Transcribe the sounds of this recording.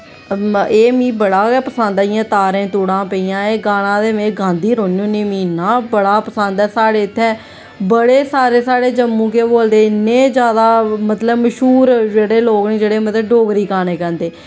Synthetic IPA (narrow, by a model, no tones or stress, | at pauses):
eːmĩːbəɽaːpəsə̃nd̪aɪjãːt̪aːɾẽːt̪uːɽãːpəijãːeːɡaːɽ̃ãːd̪eːmẽːɡãːnd̪iːɾoːnũːnĩːmĩːnaːbəɽaːpəsə̃nd̪ɛːsaːɽeːɪt̪ʰːɛ̃ː | bəɽeːsaːɾeːsaːɽeːd͡ʒəmːũːkeːboːld̪eːɪnːẽːd͡ʒjaːd̪aːmət̪ləbməʃuːɾd͡ʒeːɽeːloːknẽːd͡ʒeːɽeːmət̪ləbɖoːɡɾiːkaːneːkɛ̃ːnd̪eː